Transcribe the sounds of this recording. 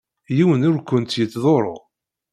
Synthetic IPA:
jiwənʊɾkʷːənt̪jət͡s̪ːðˤoɾˤo̰ʁ

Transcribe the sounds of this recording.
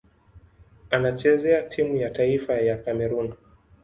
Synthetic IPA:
anat͡ʃɛzɛatʰimujataifajakamɛɾun

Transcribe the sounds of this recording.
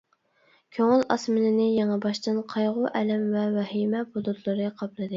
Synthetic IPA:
kʲʰøŋɪlɑ̰smɨnɪnɪjeŋæbɑʃt̪ɨnqʰɑjʁʊʔɛlɛmvɛvɛhimɛbod̪ut̪lˠɨɾɨqʰɑplˠɨd̪ɨ

